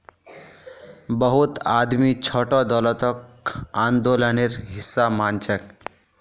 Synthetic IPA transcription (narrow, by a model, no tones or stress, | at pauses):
bəɦut̪ad̪mit͡ʃʰoʈɔd̪ɔlət̪ɔk̚ | and̪oləneɾɦisːamant͡ʃək